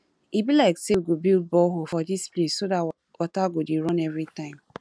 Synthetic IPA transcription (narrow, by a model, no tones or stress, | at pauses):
ibilaɪkseɡobild̚bɔɦofɔdisplessoda | wataɡodeɾɔ̃nɛvɾitãɪ̃m